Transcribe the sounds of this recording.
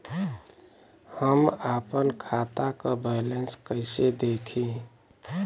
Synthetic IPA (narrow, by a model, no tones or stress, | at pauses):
həmaːpənkʰaːt̪akabɛɪlenskəɪsed̪eːkʰi